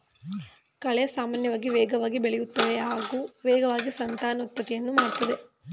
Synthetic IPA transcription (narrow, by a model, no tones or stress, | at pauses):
kɐɭesaːmaːnjɐʋaːɡiʋɛːɡɐʋaːɡibeɭɛjut̪ːɐʋeɦaːɡuːʋɛːɡɐʋaːɡisɐnt̪aːnɐut̪̚pɐt̪ːijenːumaːɽt̪ːɐd̪e̞